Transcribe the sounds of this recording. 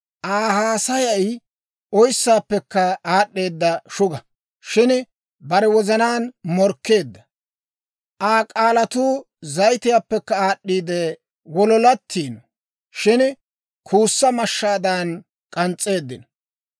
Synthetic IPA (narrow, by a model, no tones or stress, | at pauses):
ʔaːhaːsɐjɐj | ʔɔjsːaːpːɛkːɐaːɗːe̞ːd̪ːɐʃʊɡɐ | ʃɪn | bɐɾɛwɔzɐnaːnmɔɾkːe̞ːd̪ːɐ | ʔaːkʼaːlɐt̪uː | zɐjt̪ɪjaːpːɛkːɐaːɗːiːd̪ɛ | wɔlɔlɐt̪ʰːiːn | ʃɪn | kʰuːsːɐmɐʃːaːd̪ɐn | kʼɐnt͡sʼe̞ːd̪ːɪnɐ